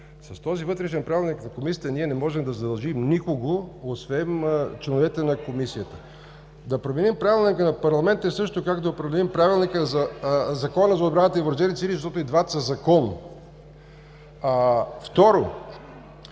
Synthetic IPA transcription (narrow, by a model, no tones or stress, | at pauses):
sɐst̪ɔzivɤt̪ɾɛʃɛnpɾavilˠniknɐkomisijət̪əniɛnɛmɔʒɛmd̪ɐzɐd̪ɐlˠʒimnikoɡoosvɛnt͡ʃlɛnovɛt̪ɛnɐkomisiət̪ə̥ | d̪ɐpɾomɛnimpɾavʲilˠnikənɐpɐɾlˠɐmɛnt̪ɛsɤʃt̪okakd̪ɐopɾɐd̪d̪ɛlimpɾavilˠnikəzɐzɐkɔnəzɐod̪bɾanət̪əivɾd͡ʒɛɾit̪siɾizəʃt̪ɔt̪ʊid̪vat̪sɐzɐkɔn | ft̪ɔɾo